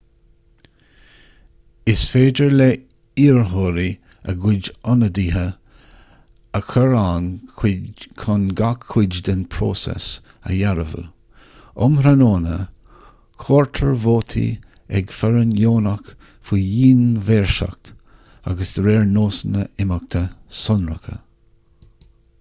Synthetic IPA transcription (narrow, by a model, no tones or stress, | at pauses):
ɪsfeːdəɹle | iːɹɦoːɾi | ə̰ɡʊd͡ʒɔnəd̪iːɦə | əkʰəɹankʰkʰʊnɡakʰːʊd͡ʒd̪ɪnpʰɾo̰sɛ̰s | ə̰jaɾəvə̰l | ʊmɾanoːnə | kʰoːɹt̪ʰəɹvoːt̪ʰḭ | ɛ̰ɡfɛɾənjoːnak | fujiːnveːɹʃa̰k̚t̪ | a̰ɡəsd̪̥ɾeːɹnoːsənəɪmək̚t̪ʰəsɔnɹəkʰə̰